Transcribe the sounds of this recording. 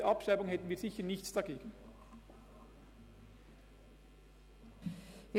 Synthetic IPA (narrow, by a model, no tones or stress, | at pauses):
əʔɑpʃʁaɪbʊŋhɛtn̩viːz̥ɪçənɪçtt͡sd̥ɑɡeːɡən̩